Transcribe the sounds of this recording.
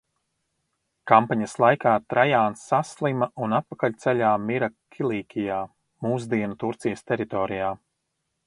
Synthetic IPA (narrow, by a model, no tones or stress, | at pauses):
kampaɲɐslˠajkaːt̪ɾajaːnsːaslˠimɐʔunat̪̚pakalʲt̪sɛʎʲaːmiɾakʰʲilˠiːkʲijaː | muːz̬d̪iɛnut̪uɾt̪sijəst̪ɛɾit̪ɔːɾijaː